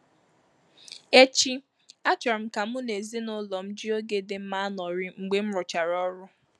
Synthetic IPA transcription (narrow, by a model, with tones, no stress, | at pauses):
e˦t͡ʃi˦ | a˦t͡ʃɔ˨ɾm̩˦ka˨m̩ʊ˦ne˨zi˦nʊ˦lɔ˨m̩˦d͡ʒi˦o˦ɡe˦dɪ˨m̩˦ma˦a˦nɔ˨ɾɪ˦ŋ͡m̩˨ɡ͡be˦m̩˦ɾʊ˨t͡ʃa˨ɾɔ˦ɾʊ˦